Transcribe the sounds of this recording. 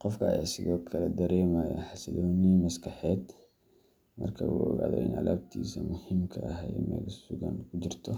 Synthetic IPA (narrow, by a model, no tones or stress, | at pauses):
qɔfkɐsɪɣɔːkʰɐlɛd̪ɐɾɛːmaːja̰ħasɐd̪oːnimɐskɐħɛːd̪ | mɐ̰rkʰɐwuɡa̰ʕd̪ɔ̰ʔɪ̰nʕa̰laːbt̪ʰiːsɐmʊhɪmkʰɐɐɦɛjmɛ̰ɡsuɣa̰nkʊd͡ʒɪɾt̪ʰɔ